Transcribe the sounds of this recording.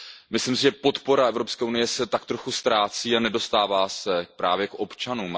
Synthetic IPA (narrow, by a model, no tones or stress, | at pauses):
mɪslimsɪʒɛpo̞t̪po̞ɾaɛvɾo̞pskɛːunɪjɛsɛt̪akt̪ɾo̞xust̪ɾaːt͡siːanɛdo̞st̪aːvaːsɛpɾa̰ːvjɛkʔopt͡ʃanuːm